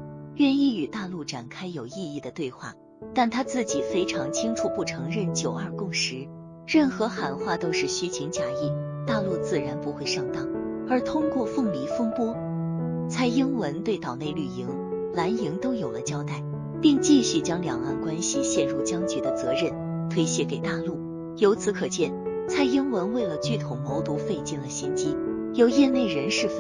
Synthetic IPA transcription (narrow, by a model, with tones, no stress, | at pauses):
ɥɛ˥˧ni˥˩y˨˩t̪a˥˧lu˥˩ʈ͡ʂa˨˩nkʰa˥ɪjo˨˩ʊi˥˧i˥˩d̪ə˩t̪we˥˧ɪxwa̰˥˩ | t̪a˥˩nt̪ʰa˥t͡sɹ̩˥˩t͡ɕi˨˩fe˥ɪʈ͡ʂʰɑ˧˥ŋt͡ɕʰi˥ŋʈ͡ʂʰu˧˩pu˥˩ʈ͡ʂʰɤ˧˥ŋɻə˥˩nt͡ɕjo˨˩ʊə˞˥˧kʊ˥˩ŋʂɻ̩˧˥ | ɻə˥˩nxɤ˧˥xa˨˩nxwa˥˩t̪o˥ʊʂɻ̩˥˩ɕy˥t͡ɕʰi˧˥ŋt͡ɕja˥i˥˩ | t̪a˥˧lu˥˧t͡sɹ̩˥˩ɻa˧˥npu˧˥xwe˥˧ɪʂɑ˥˩ŋt̪ɑ˥˩ŋə˞˧˥t̪ʰʊ˥ŋkwɔ˥˧fɤ˥˩ŋmi˧˥fɤ˥ŋpwɔ˥ | t͡sʰa˥˩ɪi˥ŋwə˧˥nt̪we˥˩ɪt̪ɑ˨˩ʊne˥˩ɪly˨˩i˧˥ŋ | la˧˥ni˧˥ŋt̪o˥ʊjo˨˩ʊlə˦t͡ɕjɑ˥ʊt̪a˥˩ɪ | pi˥˧ŋt͡ɕi˥˧ɕy˥˩t͡ɕjɑ˥ŋljɑ̰˨˩ŋa̰˥˩nkwa˥nɕi˨ɕjɛ˥˧nɻu˥˩t͡ɕjɑ˥ŋt͡ɕy˧˥d̪ə˧t͡sɤ˧˥ɻə˥˩n | t̪ʰwe˥ɪɕjɛ˥˩ke˨˩ɪt̪a˥˧lu˥˩ | jo˧˥ʊt͡sʰɹ̩˧˥kʰɤ˨˩t͡ɕjɛ˥˩nt͡sʰa˥˩ɪi˥ŋwə˧˥nwe˥˩ɪlə˩t͡ɕy˥˩t̪ʰʊ˧˥ŋmo˧˥ʊt̪u˧˥fe˥˧ɪt͡ɕi˥˩nlə˩ɕi˥nt͡ɕi˥ | jo˨˧˩ʊjɛ˥˧ne˥˩ɪɻə˧˥nʂɻ̩˥˩f